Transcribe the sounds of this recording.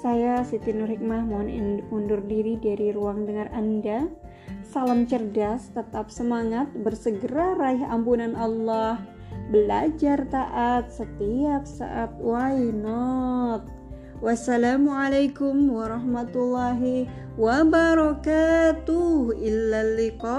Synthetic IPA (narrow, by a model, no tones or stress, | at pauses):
sajasit̪inurhik̚mahmunundʊrdiɾidaɾiɾuaŋdəŋaranda | salamt͡ʃərdast̪ət̪ap̚səmaŋat̪̚bərsəɡəɾaraɪɦampunanʔɑlːɑh | bəlad͡ʒart̪aʔat̪̚sət̪iap̚sa̰ʔat̪̚wajnɔt̪̚ | wasːalamualajkʊmwaɾɑhmat̪ulːaɦi | wabaɾɔkat̪uhilːalːiqɑ